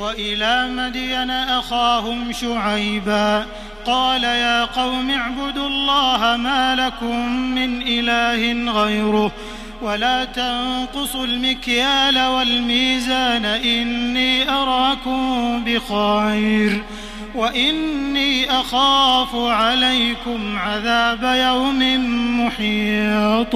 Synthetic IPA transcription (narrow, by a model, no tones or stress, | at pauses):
waʔɪlaːmad̪iːnaʔaxaːhʊmʃʊʕajbaː | qɑːlajaːqɑwmaʕbʊd̪ɑlˤːɑːɦamaːlakʊmːɪnʔɪlaːhɪnɣajɾʊh | walaːt̪ɑnqʊsˤʊlmɪkjaːlawalmiːzaːnaʔɪnːiːʔɑɾˤɑːkʊmbɪxɑːjɾ | waʔɪnːiːʔaxaːfʊʕalajkʊmʕaðaːbajawmɪnmʊħiːt̪ˤ